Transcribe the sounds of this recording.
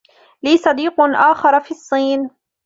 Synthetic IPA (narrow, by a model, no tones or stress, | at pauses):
liːsɑd̪iːqʔaːxɑɾˤfiːɑsˤːiːn